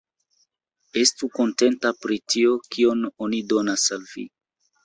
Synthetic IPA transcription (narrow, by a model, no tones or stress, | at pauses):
e̞stuko̞nte̞ntapɾitio̞kio̞no̞nido̞nasalvḭ